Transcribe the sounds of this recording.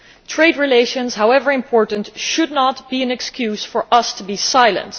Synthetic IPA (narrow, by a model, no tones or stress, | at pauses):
tʰɹ̥eɪdɹileɪʃɨ̃nz̥hawɛvə˞ɨ̃mpʰɔɹʔn̩tʃʊdⁿnət̚b̥iɨ̃nɛkskʰjʉz̥fə˞ʔʌstʰəbisaɪlˠə̰̃nt